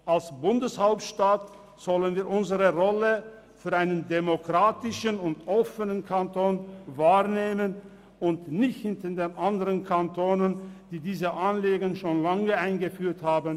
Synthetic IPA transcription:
ʔalsb̥ʊndəshaʊp̚tʃtaːt | z̥ɔlənviːɐʔʊnzəʁəʁɔlə | fyːɐʔaɪnəndemokʁ̥aːtɪʃənʊntʔɔfənənkʰantʰoːnvaːʁneːmən | ʊntnɪçtəndeːnʔandəʁənkʰantʰoːnənd̥iːdiːzəʔanleːɡənʃoːnlaŋəaɪnɡəfyːɐthaːbn

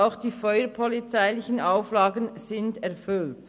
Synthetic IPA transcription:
aʊxd̥iːfɔʏəɾpʰɔlit͡saɪlɪçənaʊflɑːɡənz̥ɪndɛɐʁfʏlt

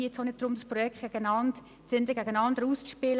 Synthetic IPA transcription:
iːt͡sonɪt̚d̥ɾʊmdɑspʁɔjɛktɡ̥ɛɡənɑnd | t͡sɪndəɡæɡənɑndəɾust͡sʃpɪl

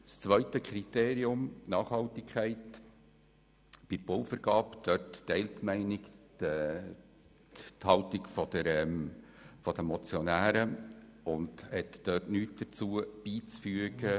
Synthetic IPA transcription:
st͡sʋœʏtəkʰɾiteːɾiʊmnɑːχhɑltɪkʰχæɪt | b̥ɪɾb̥owfəɾɡ̥ɑːpd̪̥œtːɛɪlt̪mæɪnɪkː | t̪hɑltɪɡfɔd̪əɾɛm | fɔd̥̪əmɔt͡sjɔnæːɾəʊndhɛtːœtnyːtd̪̥ət͡suəb̥iːt͡sfyəɡə

